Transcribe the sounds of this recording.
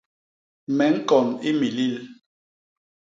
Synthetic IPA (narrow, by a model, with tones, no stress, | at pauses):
mɛ˨˦ŋ̩˦kɔ˨ni˦mi˨li˦l